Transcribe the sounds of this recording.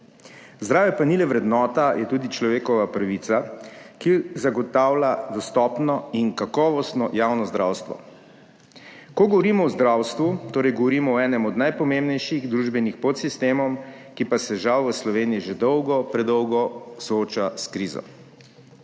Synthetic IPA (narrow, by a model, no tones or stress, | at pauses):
zd̪ɾaːʋɛpanilɛʋɾɛd̪nɔːt̪ajʔɛt̪uːd̪it͡ʃlɔʋeːkɔʋapɾaʋit̪sakizaɡɔt̪aːwlad̪ɔst̪ɔpnɔinkakɔːʋɔst̪nɔjawnɔzd̪ɾawst̪ʋɔ̰ | kɔɡɔʋɔɾiːmɔwzd̪ɾawst̪ʋut̪oːɾɛjɡɔʋɔɾiːmɔɔɛːnɛmɔd̪najpɔmembnɛjʃiɣd̪ɾuːʒbɛnixpɔt̪sist̪eːmɔm | kipasɛʒawʋəslɔʋeːniiʒed̪ɔwɡɔpɾɛd̪ɔwɡɔsɔoːt͡ʃaskɾiːzɔ̰